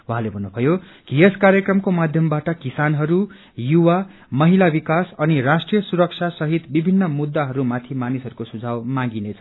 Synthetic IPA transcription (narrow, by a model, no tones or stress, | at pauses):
wuɦãlebʱʌnːupʰʌjo | kieskarjʌkrʌmkomad̪ʱjʌmbaʈʌkisanɦʌɾu | juwa | mʌɦilabikasʌnirasʈrijʌsuɾʌk̚sʰasʌɦit̪bibʱinːʌmud̪ːaɦʌɾumat̪ʰimanisʌɾukosud͡zʱawmãɡinet͡sʰʌ